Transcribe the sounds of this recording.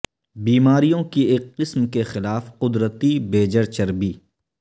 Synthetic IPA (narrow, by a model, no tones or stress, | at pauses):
biːmaːɾijõkieːkːɪsmkexɪlaːfqʊd̪ɾət̪ibeːd͡ʒəɾt͡ʃɐɾbiː